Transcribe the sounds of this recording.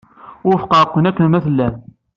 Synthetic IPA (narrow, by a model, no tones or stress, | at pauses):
ʊɾfqɑɾˤəqːənækːənmæθəlːæn